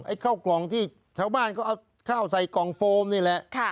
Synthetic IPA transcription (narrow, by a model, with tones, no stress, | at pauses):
ʔa˧˩jkʰaː˥˩wklɔː˨˩˦ŋt̪ʰiː˥˩ | t͡ɕʰaː˥˩wbaː˥˩nkɔː˥˩ʔa˧w | kʰaː˥˩wsa˨˧˦jkɔː˨˩˦ŋfoː˧mniː˥˩lɛ˧˥ʔkʰa˥˩